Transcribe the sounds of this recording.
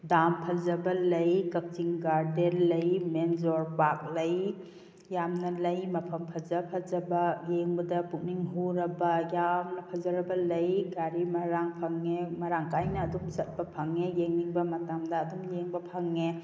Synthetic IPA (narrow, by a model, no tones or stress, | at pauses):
dampʰɐzɐbɐlɐjkɐk̚tiŋɡaɾdeɾlɐjmenzoɾpak̚lɐj | jamnɐlɐjmɐpʰɐmpʰɐzɐpʰɐzɐbɐjeŋbɐdɐpuk̚niŋɦuɾɐbɐjamnɐpʰɐzɐɾɐbɐlɐjɡaɾimɐɾaŋpʰɐŋːemɐɾaŋkajnɐːdumsɐt̚bɐpʰɐŋːejeŋniŋbɐmɐtamdɐːduŋjeŋbɐpʰɐŋːe